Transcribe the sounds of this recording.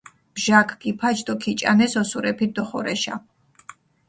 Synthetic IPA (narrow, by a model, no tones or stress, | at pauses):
b̥ʒakʰɡipʰat͡ʃʰd̪ʼɔkʰit͡ʃʼa̰nɛsɔsuɾɛpʰid̪ɔχɔɾɛʃa̰